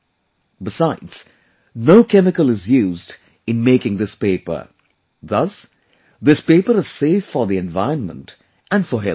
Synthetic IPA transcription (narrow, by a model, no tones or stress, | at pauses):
bɪsaɪdz̥ | noʊkʰɛmɪkəlɪzjuːzd | ɨ̃nmeɪkɪ̃ŋðɪspeɪpə̰˞ | ðʌs | ðɪspeɪpəɾɨz̥seɪfːəðiɛ̃nvaɪɹə̃nmə̰̃nt | ʔæ̃nfəɦɛ